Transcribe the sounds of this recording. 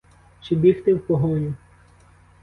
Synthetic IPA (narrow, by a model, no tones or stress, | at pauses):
t͡ʃibʲixt̪ewpɔɦɔnʲʊ